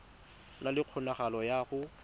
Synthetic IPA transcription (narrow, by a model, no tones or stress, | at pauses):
nalɪq͡χʰʊnaχalɔjaχʊ